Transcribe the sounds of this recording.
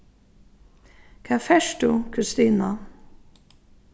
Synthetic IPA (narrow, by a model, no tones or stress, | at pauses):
kʰafɛʃt̪ukʰʉst̪iːna